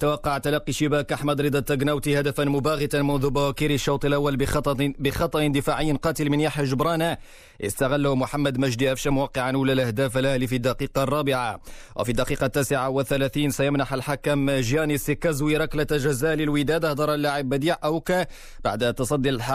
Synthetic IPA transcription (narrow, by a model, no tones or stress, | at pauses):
t̪awɑqːɑʕt̪alɑqːiʃɪbæːkʔaħmæd̪ɾɨd̪ˤɑt̪ːaɡnawt̪ihad̪æfanmʊbaɣɪt̪anmʊnðʊbawækiɾəʃːɑwt̪ˤəlʔawːalˤbɪxɑt̪ˤːɑʔənd̪ɪfaʕɪjːnqɑːt̪əlmɪnjaħaʒʊbɾˤɑna | ʔə̰st̪aɣalːamʊħamːæd̪mæʒd̪iʔæfʃamʊwɑqːɪʕanʔulalʔæhd̪aːfalalifid̪ːɑqiːqɑrˤːɑːbɪʕawʔfid̪ːɑqiːqɑt̪ːæːsɪʕawəθːælæθiːnsæjamnaħalħakamʒjænisikæzwiɾˤɑklat̪ʒæzæʔlilwid̪æːd̪ɑhd̪ɑɾˤalːaʕɪbːæd̪iːʕʔawk | ba̰ʕd̪t̪ːɑsˤɑd̪ːilħ